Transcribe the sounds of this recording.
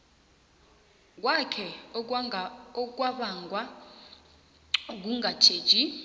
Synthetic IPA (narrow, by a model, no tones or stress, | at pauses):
k̬wakʰɛ | ɔk̬waɓaŋɡʱwa | k̬uŋɡatʰeːd̥t͡ʃʼi